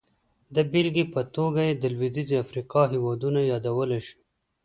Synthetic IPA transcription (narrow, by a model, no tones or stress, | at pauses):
d̪əbɪlɡipət̪oɡajed̪əlwid̪iziafɾiqɑɦiwɑd̪unajɑd̪awəleʃu̥